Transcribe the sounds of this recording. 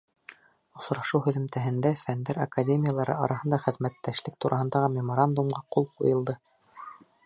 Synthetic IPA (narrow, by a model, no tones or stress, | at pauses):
ŏs̆ɾɑʃɤwhɵ̆ðɘ̆mt̪æɦɘ̆nd̪æfænd̪æɾa̰kadʲemʲɪjalˠɑɾɤ̰ʔɑ̰ɾɑɦɤ̆nd̪ɑχɘ̆ðmæt̪ːæʃlɘk̚t̪uɾʔɑhɤ̆nd̪ɑʁɤmʲɪmoɾand̪umɢɑqulˠqṵjɤ̆lˠd̪ɤ